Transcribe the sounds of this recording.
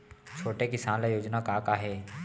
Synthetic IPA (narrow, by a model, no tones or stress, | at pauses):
t͡ʃʰoːʈekɪsaːnlajoːd͡ʒnakaːkaɦɛː